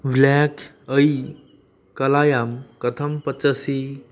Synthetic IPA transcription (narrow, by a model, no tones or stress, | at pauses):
ʋlakʰ | əi | kəlajamkət̪ʰəmpət͡sasi